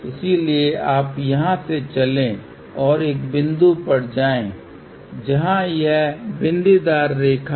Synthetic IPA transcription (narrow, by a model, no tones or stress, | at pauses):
ɪsilieʔaːpjɐɦãset͡ʃɐlẽ | ɔːɾeːk̚bɪ̃nd̪upɐɽ̤d͡ʒaːẽː | d͡ʒɐɦãjɛɦbɪ̃nd̪id̪aːɾːeːkʰa